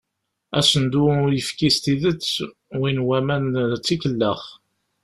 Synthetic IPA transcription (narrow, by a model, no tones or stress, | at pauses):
æsənd̪uɾjəfkist̪iðət͡sː | winwæmænt͡sːikəlːəχ